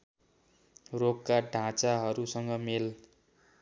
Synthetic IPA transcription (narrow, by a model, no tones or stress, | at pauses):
rokːaɖʱãt͡saɦʌɾusʌŋɡʌmel